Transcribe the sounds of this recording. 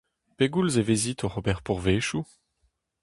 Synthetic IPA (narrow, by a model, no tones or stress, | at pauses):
peɡulzevezit̪oʁobɛʁpuʁveːʃu